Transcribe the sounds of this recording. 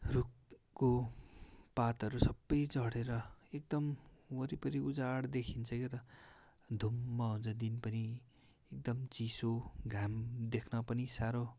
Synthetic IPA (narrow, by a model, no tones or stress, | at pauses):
ruk | kːo | pat̪ʌɾusʌbːʌjd͡zʌɽeɾʌek̚d̪ʌmwʌɾipʌɾiud͡zaɽd̪ekʰint͡sʰʌkit̪ʌ | d̪ʱumːʌɦunt͡sʰʌd̪inpʌni | ek̚d̪ʌmt͡sisoɡʱamd̪ekʰnʌpʌnisaɾo